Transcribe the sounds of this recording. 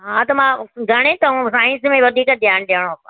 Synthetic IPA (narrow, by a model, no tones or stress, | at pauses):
ɦãt̪ɐmãɡʱɐɽ̃ẽt̪ɐɦũsaːɪ̃nsmẽʋɐd̪ʱiːkəd̪ʱjaːnɗijaɽ̃oã